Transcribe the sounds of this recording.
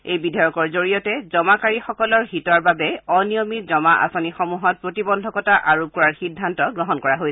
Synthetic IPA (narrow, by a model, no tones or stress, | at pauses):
ejbidʱɔjɔkɔɹzoɹijɔtɛzɔmakaɹixɔkɔlɔɹɦitɔɹbabɛɔnijomitzɔmaʔa̰sonixɔmuɦɔt̚pɹotibɔndʱɔkɔtaʔaɹop̚kɔɹaɹxidʱːantɔɡɹɔɦɔnkɔɹaɦojs